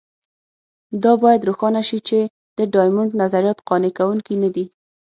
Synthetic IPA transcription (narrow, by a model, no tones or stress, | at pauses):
d̪ɑbɑjad̪ɾoxɑnaʃit͡ʃe | d̪̥əɖɑjmʊɳɖnazaɾijɑt̪qɑnekawuŋkinad̪i